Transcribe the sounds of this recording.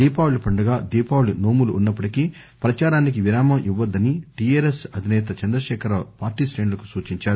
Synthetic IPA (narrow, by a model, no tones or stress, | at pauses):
d̪iːpaːwulipɐɳɖɐɡaːd̪iːpaːwlino̞ːmuluunːɐpːɐɽikiː | pɾɐt͡ʃaːɾaːnik̬iʋiɾaːmɐʔiʋːɐd̪ːɐniʈiːeːɾesɐd̪ʱinɛːt̪̬ɐt͡ʃɐnd̪ɾɐʃɛːkʰɐɾɐpaːɾʈiːsɾeːɳlɐku̥suːt͡ʃiɲt͡ʃaːɾu